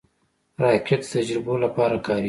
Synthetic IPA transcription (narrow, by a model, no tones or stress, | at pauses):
ɾɑːkʰet̪t̪ad͡ʒɾɪbolapɑːɾakɑːɾi